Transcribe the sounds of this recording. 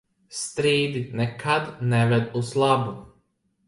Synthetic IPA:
st̪ɾiːd̪nɛkʰad̪nɛvɛd̪uslab

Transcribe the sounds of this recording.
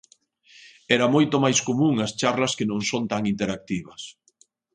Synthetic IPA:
ɛɾɐmojt̪omajskomũŋɐst͡ʃaɾlɐskenõŋsont̪aŋint̪eɾak̚t̪iβɐs

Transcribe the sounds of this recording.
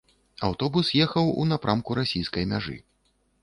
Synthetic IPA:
awt̪ɔbusjɛxɐwṵnapɾʔamkuɾasʲijskɐjmʲaʐɨ̰

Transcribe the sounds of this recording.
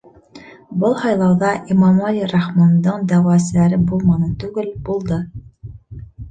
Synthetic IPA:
bɤlˠhɑjlˠɑwðɑʔimɑmalʲiɾɑχmɑnd̪ɤɴd̪æwæsɘlæɾɘbulˠmɑnɤt̪ʉɡɘlb̥ulˠd̪ɤ

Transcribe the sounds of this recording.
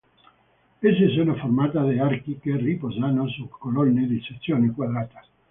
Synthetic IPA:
esesunoformat̪aðeaɾkikeripozanosukːolonːed̪isesːjonekwaðɾat̪ḁ

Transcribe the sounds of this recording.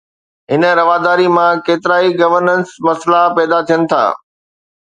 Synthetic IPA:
ɦɪnə̆ɾɐʋaːd̪aːɾimãkeːt̪ɪɾaːiɡɐʋəɾnənsmɐslapɛːd̪at̪ʰijənɪ̆t̪ʰa̰ː

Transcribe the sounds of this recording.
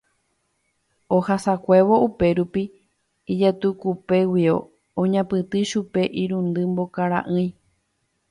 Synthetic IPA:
ohasakʷe̞ʋo̞ʔupe̞ɾupiː | d͡ʒat̪ukupe̞wio̰ | õɲãpɨt̪ɨʃupe̞ʔiɾũnd̪ɨmbokaɾã̰ʔɨ̃j̃

